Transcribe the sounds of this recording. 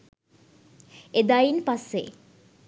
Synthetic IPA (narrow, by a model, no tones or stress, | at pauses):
ed̪ainpasːḛ